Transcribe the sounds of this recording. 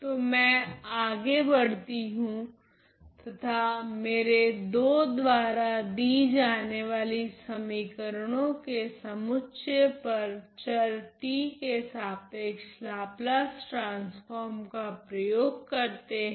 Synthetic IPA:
t̪oːmɛ̃ːaːɡebɐɽ̤t̪iɦũ | t̪ɐt̪ʰameːɾed̪oːd̪ʋaːɾad̪iːd͡ʒaːneʋaːlisɐmikəɾɽ̃õkesɐmʊtːʃepɐɾt͡ʃɐɾʈikesaːt̪eːkslaːplasʈɾãːnsfɔːɾmkapɾɐjoːɡ̚kɐɾt̪eɦɛ

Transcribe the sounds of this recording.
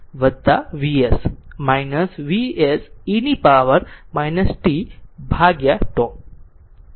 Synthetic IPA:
ʋɐd̪ːaʋiesmajnɐsʋiesinipaːʋəɾmajnɐsʈibʱaːɡjaʈõː

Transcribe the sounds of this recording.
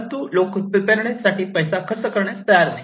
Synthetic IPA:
t̪uːlokupəpeɾɳesaʈiːpəjsakʰəɾsəkəɾɳjat͡st̪əjaɾnai

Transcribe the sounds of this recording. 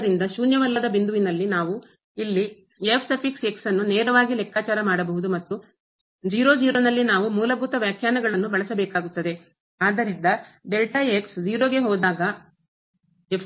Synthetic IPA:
ɾind̪ɐʃuːnjɐʋɐlːɐd̪ɐbind̪uʋinɐlːinaːʋu | ilːi | epʰsepikse̞ksɐnːuneːɾɐʋaːɡilɛkːaːt͡ʃaːɾɐmaːɽɐbɐɦud̪umɐt̪ːu | d͡ʒiːɾod͡ʒiːɾoːnɐlːinaːʋumuːlɐbʱut̪ɐʋjaːkʰjaːnɐɡɐɭɐnːubɐɭɐsɐbɛːkaːɡut̪ːɐd̪e̞ | aːd̪ɐɾind̪ɐɖelʈɐeksd͡ʒiːɾoːɡe̞ɦɔːd̪aːɡɐ | ep

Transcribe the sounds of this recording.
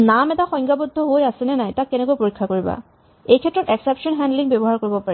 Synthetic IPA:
namɛtaxɔjŋɡabɔd̪ʱːɔɦojasɛnɛnajtakːɛnɛkojpoɹikʰːakoɹiba̰ | ejkʰɛtːɹɔtɛksɛpʃɔnɦɛndliŋbɛbɔɦaɹkoɹibɔpaɹɛ

